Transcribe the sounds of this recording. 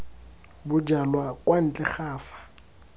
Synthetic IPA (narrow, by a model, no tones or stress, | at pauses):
bʊd͡ʒalwakʼwan̩t͡ɬʼɛχaːfḁ